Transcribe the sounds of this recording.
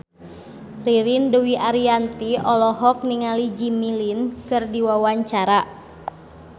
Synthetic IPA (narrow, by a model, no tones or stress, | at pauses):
riɾinduwiʔaɾiant̪iɔlɔɦɔk̚niŋalid͡ʒimilinkɨrdiwawaɲt͡ʃaɾa